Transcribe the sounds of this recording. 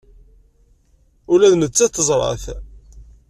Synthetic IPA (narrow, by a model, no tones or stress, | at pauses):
ʊlæðnət͡sːæt̪θəzˤɾˤɑ̰θ